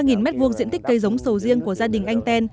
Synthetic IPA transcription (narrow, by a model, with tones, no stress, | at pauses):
ŋi˨˩nmɛ˦˥t̚vu˧ək̚zḭ˧˥ənt̪i˦˥k̟̚kə˧jzə˨˦wŋ͡msə˨˩wzi˧əŋku˧˩əzaː˧ɗï˨˩ŋ̟ʔa˧jŋ̟t̪ɛ˧n